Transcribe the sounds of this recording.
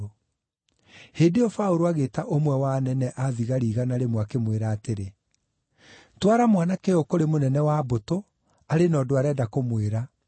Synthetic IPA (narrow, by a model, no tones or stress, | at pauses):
heːdeɔfaoɾoaɣeːtaʔomwɛwanɛnɛʔaðiɣaɾiːɣanaɾemwakemweɾaːteɾe | twaɾamwanakejokoɾemonɛnɛwaboto | aɾenɔːdoaɾɛːdakomweɾa